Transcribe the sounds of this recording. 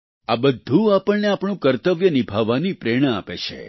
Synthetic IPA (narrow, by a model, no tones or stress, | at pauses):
abəd̪ʱːũapəɳneapɳ̃ũkəɾt̪əʋjənibʱaʋanipɾeɽ̃aa̰pet͡ʃʰḛ